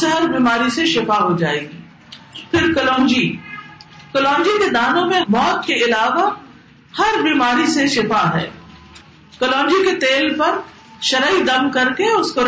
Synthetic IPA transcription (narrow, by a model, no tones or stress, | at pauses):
sɦɐɾbiːmaːɾiseʃɪfaɦod͡ʒaːeːɡiː | pʰɪɾkɐlɔ̃ːnd͡ʒi | kɐlɔ̃ːɲd͡ʒiked̪aːnõmẽmɔːt̪̚keɪlaːʋa | hɐɾbiːmaːɾiseʃɪfaɦɛ̰ː | kɐlɔ̃ːɲd͡ʒiket̪eːlpɐɾ | ʃɐɾəid̪ɐmkɐɾkeʊskoɾ